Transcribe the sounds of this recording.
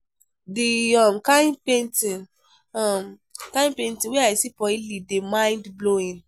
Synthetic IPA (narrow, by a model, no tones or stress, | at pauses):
diɔmkaĩnpentĩ | ɔm | kãĩnpẽntĩweaisipɔilidemãɪ̃ndbloĩn